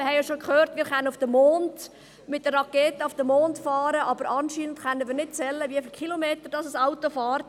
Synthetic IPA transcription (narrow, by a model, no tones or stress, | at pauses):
ɪhɛɪjoʃokχøːɾtmɪːɾχɛnənʊfd̥əmoːnd | mɪt̚d̥əːɑkeːtəʊfd̥əmoːntfɑːɾəʔɑbəɾʔɑnʃiːnəntχɛnːənʋɪːɾnɪt̚t͡sɛlːəviəfɪlkʰχilomeːtədɑsəsaʊtofɑːɾt